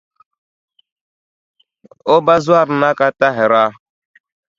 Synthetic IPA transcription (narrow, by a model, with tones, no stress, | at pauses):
o˦ba˦zwa˦˨ɾ̩˨na˦ka˦ta˦ɦɛ˨ɾa˦